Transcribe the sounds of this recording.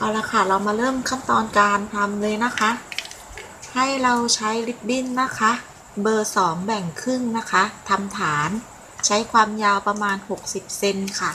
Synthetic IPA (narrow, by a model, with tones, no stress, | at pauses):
ʔa˧˩laː˧jkʰa˥˩ɾa˧wmaː˧ɾɤː˥˩mkʰa˥˩nt̪ɔː˧nkaː˧nt̪ʰa˧mlɤː˧jna˦˥kʰa˦˥ʔ | ha˥˩jɾa˧wt͡ɕʰa˦˥jli˦˥p̚bi˥˩nːa˦˥kʰa˦˥ | bɤː˧sɔː˩˦ŋbɛ˨˩ŋkʰɯ˥˩ŋna˦˥kʰa˦˥t̪ʰa˧mt̪ʰaː˩˦n | t͡ɕʰa˦˥jkʰwaː˧mjaː˧wpa˧maː˧nho˨˩k̚si˨˩p̚se˧nkʰa˥˩